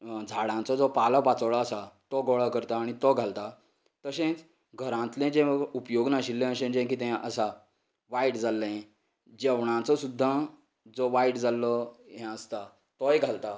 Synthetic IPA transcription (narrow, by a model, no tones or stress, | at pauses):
d͡zʱaɽãt͡sɔd͡zɔpalɔpat͡səwɭaːsat̪ɔɡɔɭakəɾt̪aːɽ̃it̪ɔɡʱalt̪a | t̪əsẽt͡s | ɡʱəɾãt̪lẽd͡ʑẽupjoɡnaɕilːẽəɕẽd͡ʑẽkit̪ɛ̃ʔəsa | ʋaiʈd͡zalːəɛ̃ | d͡ʑɛʋɳ̃ãt͡sɔsud̪ʱːa | d͡zɔʋaiʈd͡zalːɔɦɛ̃əst̪a | t̪ɔjɡʱalt̪a